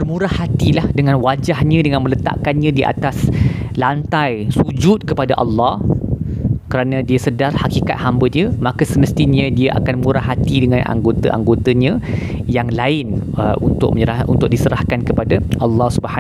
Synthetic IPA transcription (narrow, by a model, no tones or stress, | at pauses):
bərmũɾahːat̪ilahdəŋãnwad͡ʒahɲãdəŋãnmə̃lət̪a̰ʔkanɲãdiʔa̰t̪aslant̪ajsud͡ʒʊt̪̚kəpadaʔɑlːɑh | kəɾanãdiasədarhakika̰t̪̚hambədiəmakasəməst̪iɲə̃diaʔa̰kanmũɾahɦat̪idəŋãnʔa̰ŋɡot̪a̰ʔa̰ŋɡot̪aɲãjaŋlaɪnṵnt̪ʊ̰k̚məɲəɾaʔṵnt̪ʊk̚disəɾahkankəpadaʔɑlːɑhsubəa